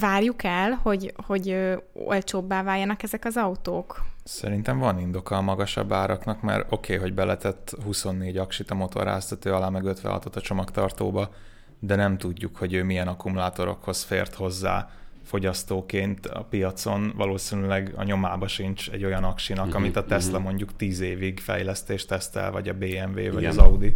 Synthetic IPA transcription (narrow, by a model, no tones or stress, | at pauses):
vaːrjukɛlho̞ɟho̞ɟøːo̰lt͡ʃoːbːaːvaːjːɒnɒkɛzɛkɒzɒut̪oːksɛɾint̪ɛɱvɒnind̪o̞kɒːmɒɡɒʃɒ̰bːaːɾɒknɒkmɛ̰ɾo̞kʰeːɦo̞ɟbɛlɛt̪ɛt̪ːhuso̞nːeːɟɒkʃit̪ɒmo̞t̪ʰo̰ɾa̰ːst̪ɒt̪øːɒlaːmɛɡøt̪ʋɛ̰ɒ̰t̪ot̪ːɒt͡ʃo̞mɒkt̪ɒrt̪oːbɒ | d̪ɛnɛmt̪uɟːukho̞ɟøːmijɛnɒkumulaːt̪o̞ɾo̞̰kho̞sfḛːrt̪ho̞zːa̰ːfo̞ɟɒst̪oːkeːnt̪ɒ̰pijɒt̪so̞nvɒ̰loːsinylɛɡɒ̰ɲo̞maːbɒʃint͡ʃɛ̰ɟːo̞jɒnɒkʃinɒkɒmit̪ɒt̪ɛst̪lɒmo̞ɲɟukt̪iːzeːviɡfɛ̰jlɛst̪eːʃt̪ɛst̪ɛ̰lvɒɟɒbeːɛɱvḛːvɒɒzɒud̪i